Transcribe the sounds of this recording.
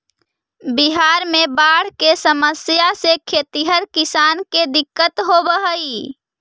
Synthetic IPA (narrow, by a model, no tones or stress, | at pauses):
biɦaɾmebaɽ̤kesəməsjasekʰet̪iɦəɾkisanked̪ɪkːət̪ɦobəɦəi